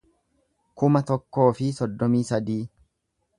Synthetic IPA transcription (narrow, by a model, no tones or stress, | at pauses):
kʊmɐt̪ɔkːo̞ːfɪsɔd̪ːɔmiːsɐd̪iː